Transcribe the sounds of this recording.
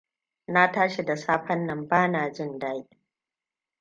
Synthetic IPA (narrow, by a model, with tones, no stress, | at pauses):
na˦taː˦ʃi˨da˨saː˦ɸɐ˦nːɐ˨mbaː˦naː˨d͡ʒɪ˦˨ndaː˦ji˨˦